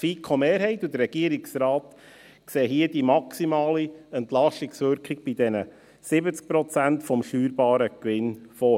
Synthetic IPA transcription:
fiːkʰɔmeːɾhɛɪt̪ud̪əɾːɛɡ̥iəɾɪksɾɑːt | kseːɦiəd̥imɑksimɑːliɛnt̪lɑʃtɪksʋʏɾkχiɡ̚b̥id̥ɛnə | sɪbət͡sk̚pɾɔt͡sæntfɔmʃyːɾbɑːɾəkʋɪnfɔ

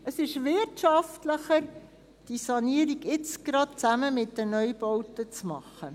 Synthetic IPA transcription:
əsɪʃʋɪrtʃɑftləχəɾ | d̥isɑniəɾiɡɪt͡sɡ̥ɾɑt̚t͡sæməmɪtdənœjbɔwtət͡smɑχːə

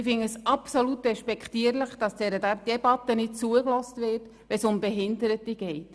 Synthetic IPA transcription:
ɪfɪŋəsɑpsolutrɛʃpɛkχtiːəɾlɪχd̥ɑsd̥ɛɾəd̥ɛbɑt̪ːənɪt̚t͡suəklɔstvɪːrt | ʋɛsʊmbɛɦɪndəɾətiɡ̥ɛɪt

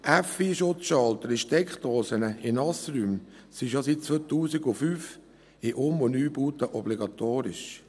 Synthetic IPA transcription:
ʔæfiːʃʊtt͡sʃɑlt̪əɾɪʃtɛkχt̪oːsənəɪnɑsɾyːm | siʃjosit̚t͡sʋot̪uːsɪɡʊfyːf | ɪʔomɔnyːb̥uːt̪əʔɔb̥liɡɑt̪oːɾɪʃ

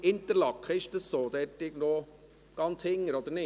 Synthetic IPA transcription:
ɪnt̪əɾlɑkχəɪʃd̥̪əssoːd̪ɛtːɪɡno | ɡ̥ɑnt͡shɪŋːəɾɔd̪əɾnɪ

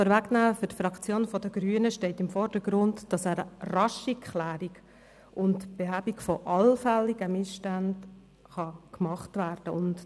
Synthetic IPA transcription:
əɾʋæɡnæːfʏɾtfɾɑkt͡sjoːnfɔdəɡɾyːənəʃtɛɪtɪmfɔrd̥əɡ̥ɾʊndd̥ɑsæːɾərɑʃikχlæːɾiɡ | ʊntb̥eɦæːbikfɔʔɑlfɛlːiɡ̥əmɪsʃtænd | χɑkmɑχtʋæːrd̥əʊnt

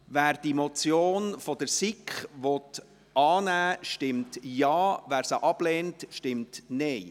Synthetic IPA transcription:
væːɾd̥imot͡sjoːnfɔd̥əɾsikχʋɔt | ʔɑːnæːʃtɪmtjɑːʋæːɾsəʔɑb̥lɛːntʃtɪmtnɛɪ

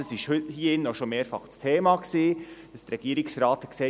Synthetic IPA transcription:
əsɪʃhʏthiːɪnːoʃomeːɾfɑ̰χt͡stʰeːmɑksi̥ː | ɑst̪ɾɛɡ̥iəɾɪksɾɑːt̪ɛkseː

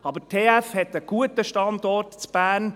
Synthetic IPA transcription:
ɑbətʰeːæfhɛt̪əɡ̥uətəʃtɑnd̪ɔrtt͡sb̥æːn

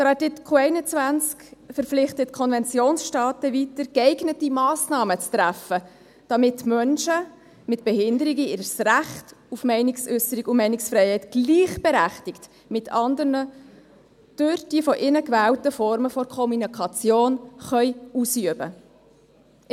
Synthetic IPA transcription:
tɾɑtɪtkʰuɛɪnət͡svænt͡skfəɾpp͡flɪχtətkʰɔnvɛnt͡sjoːnsʃtɑːtəvitəɾkɛɪɡnətimɑːsnɑːmət͡stɾæfə | d̥ɑmɪtmœnʃə | mɪtb̥ɛhɪndəɾiɡiɪɾsræχtufmɛɪnɪksʏsəɾiɡʊmɛɪnɪksfɾɛɪhɛɪtɡ̥liːχb̥ɛɾæχtɪkt | mɪtʰɑnd̪əɾnə | d̥øɾd̥iəfɔʔɪnəkvæːltəfɔɾməfɔɾkʰɔmunɑkʰɑt͡sjoːnχœʏusyəbə

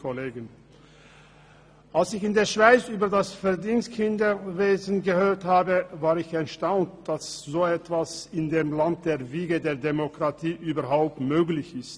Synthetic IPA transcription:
koleːɡən | ʔalsɪçɪndeːɐʃv̥aɪt͡syːbɐdasfɛɐdiːnstkʰɪndɐveːzn̩ɡəhøːɐthaːbəvaːʁɪçɛʃtaʊntd̥asz̥oːɛtv̥asɪndeːmlant̚d̥eːɐviːɡədeːɐdemokʁ̥atʰiːʔyːbɐɦaʊp̚tmøːɡlɪçɪst

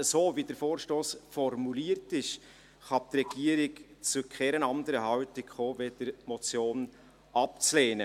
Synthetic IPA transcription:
əsoːvidəɾfoːɾʃtoːsfɔrmuliːəɾtɪʃ | χɑp̚t̪rɛɡ̥iəɾɪkt͡sukχɛɾənɑnd̪əɾəɦɑwtɪkχoːved̥əɾmɔt͡sjoːn | ɑp̚t͡sleːnə

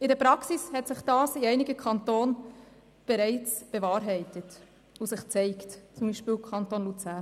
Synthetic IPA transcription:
ɪdəpɾɑksishɛtsɪχd̥ɑːsɪɛɪnɪɡəkʰɑntoːn | b̥ɛɾɛɪt͡sb̥evɑːɾɦɛɪtət | usɪχt͡sɛɪktt͡sʊmbiːʃpɪːlkʰɑntonlut͡sæː

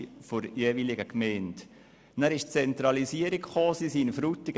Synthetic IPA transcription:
foɾjeːʋilɪɡəkmɛːnt | næɾɪʃt͡sɛnt̪ɾɑlisiəɾikχoːsisiːnfɾutɪɡ

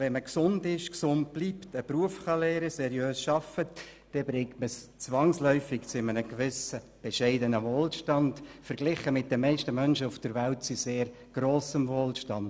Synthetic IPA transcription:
ʋɛnməksʊndɪʃksʊnt̚b̥liːptəpruəfχɑlɛːɾəsɛɾjøːsʃɑfət | d̥ɛbɾɪŋtməst͡sʋɑŋslœʏfɪɡt͡sʊɪmənəkʋɪsə | b̥eʃɛɪdənəʋoːlʃtɑndfəɾɡ̥lɪχəmɪt̚d̥ɛmɛɪʃtəmœnʃəufd̥əɾʋæltt͡siseːɾ | ɡ̥roːsəmvoːlʃtɑnd

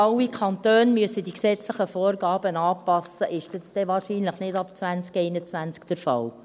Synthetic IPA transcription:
ɑlːikʰɑnt̪øːnmyəsədiksɛt͡sləχəfɔːrɡɑːb̥ənɑːpɑsəʔɪʃtɛt͡st̪ɛʋɑːɾʃiːnləχnɪdɑpt͡sʋænt͡skɛɪnət͡sʋænt͡skd̥əɾfɑ̰l

